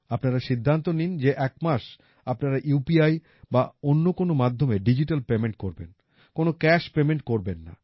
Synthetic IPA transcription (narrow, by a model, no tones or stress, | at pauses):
apnaɾaʃid̪ʱːant̪onind͡ʑeʔɛkmaʃ | apnaɾaʔupiaj | baonːokonomad̪ʱːomeɖid͡ʑiʈalpemeɳʈ̚koɾben | konokɛʃpemeɳʈkoɾbenːa̰